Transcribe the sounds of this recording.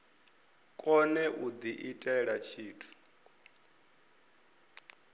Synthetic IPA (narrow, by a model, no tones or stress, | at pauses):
kʼɔnɛʔud̪iʔitʼaɛɺat͡ʃʰiːtʰu̥